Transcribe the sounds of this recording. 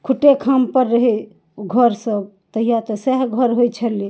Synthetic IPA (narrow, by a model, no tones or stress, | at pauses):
kʰuʈekʰampəɾːəɦɛ | ɡʱəɾsəb̚ | t̪əɦijat̪ɔsɛɦɡʱəɾɦojt͡ʃʰəli